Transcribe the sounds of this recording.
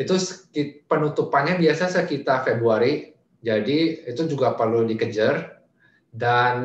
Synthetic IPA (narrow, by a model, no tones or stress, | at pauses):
it̪uskipənut̪upanɲabiasasəkit̪afebɾuaɾi | d͡ʒadiit̪ud͡ʒuɡapərludikəd͡ʒər | dan